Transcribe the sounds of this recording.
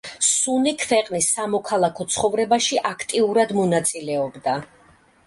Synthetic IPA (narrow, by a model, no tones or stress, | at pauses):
sunikʰvɛqʼnisːamɔkʰalˠakʰɔt̪sʰχɔvɾɛbaʃiʔakʰt̪ʼiuɾad̪mɔnat̪sʼilɛɔbd̪a